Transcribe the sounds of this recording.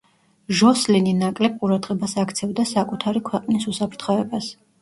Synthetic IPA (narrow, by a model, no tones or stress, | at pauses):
ʒɔslininakʼlɛb̚qʼuɾad̪ʁɛbasakʰt̪sʰɛvd̪asakʼut̪ʰaɾikʰwɛqʼnisusapʰɾt̪ʰχɔɛbas